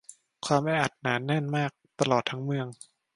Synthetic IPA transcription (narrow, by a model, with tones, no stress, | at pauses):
kʰwaː˧mʔɛː˧ʔa˨˩t̪̚naː˩˦nɛ˥˩nmaː˥˩k̚t̪a˧lɔː˨˩t̪ʰːa˦˥ŋmɯ˧əŋ